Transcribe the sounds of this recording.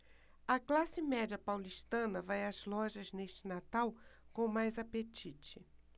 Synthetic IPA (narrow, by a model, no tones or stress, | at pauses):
ɐklasɪmɛd͡ʒɐpawliʃt̪ɐ̃nɐvajɐzlɔʒɐzneʃt͡ʃɪnat̪awkõmajzapet͡ʃit͡ʃɪ